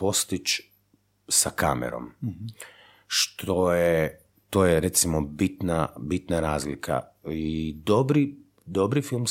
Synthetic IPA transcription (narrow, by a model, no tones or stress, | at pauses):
o̞st̪it͡ʃ | saka̰mḛɾo̰m | ʃt̪ʰo̞je | t̪oːjeɾet̪simobit̪nabit̪naɾaːzlikʰa̰id̪obɾi | d̪obɾifilˠms